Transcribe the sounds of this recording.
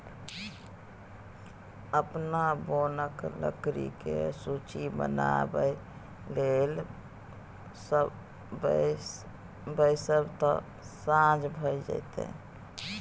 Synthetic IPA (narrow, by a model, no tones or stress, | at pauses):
əpnabonəklə̰kɾḭkḛsut͡ʃibə̰na̰bəj | lel | s | b | bəjsəbt̪ɔ̰̃ | sãd͡ʒbʱəjd͡ʒa̰jt̪ḛ